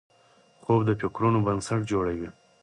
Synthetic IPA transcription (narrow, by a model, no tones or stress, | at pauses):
χobd̪əpokɾonobənsaʈd͡ʒoɽawi